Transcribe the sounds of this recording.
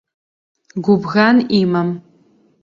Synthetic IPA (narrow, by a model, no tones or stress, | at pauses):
ɡʷʊbɣaniːmɐm